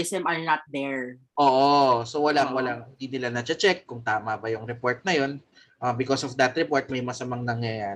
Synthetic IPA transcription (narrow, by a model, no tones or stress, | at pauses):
ɪsɛmɐɹnɐt̪̚d̪ɛɹ | ʔoːʔosowɐlaŋwɐlaŋɪnd̪inɪlanɐt͡ʃɐt͡ʃɛk̚ːʊŋt̪aːmɐbɐjʊŋɾɛpo̞ɹt̪̚nɐjo̞n | ʔabɪkosɔfd̪ɐt̪ɾɛpoɹt̪̚mɐjmɐsɐmaŋnɐŋjɐjaːɾ